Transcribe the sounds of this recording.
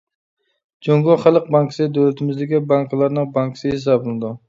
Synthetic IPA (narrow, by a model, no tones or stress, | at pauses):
d͡ʒoŋɡɒχɑlˠɨq̚baŋksɪd̪olat̪ʰɪmɪzd̪ɪɡʲɪbaŋkʰlˠaɾnɪŋbaŋksɪhɪs̬abʊnɪd̪ʊ